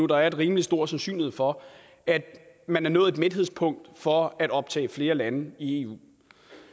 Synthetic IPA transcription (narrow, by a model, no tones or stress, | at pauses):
ud̥ɑ̈æɐe̝d̥ʁiːmli̥sd̥o̝ɐ̰̥sænsy̰ːnlihe̝ð̰ˠfɒ̽ | ʔæd̥ | mænæɐnɔ̽ːð̩ˠed̥med̥he̝spʰɔ̽ŋ̰d̥fɒ̽æɾ̥ɒ̽b̥̚t͡sʰɛ̰ːɪfle̝ːɐlænəie̝ṵː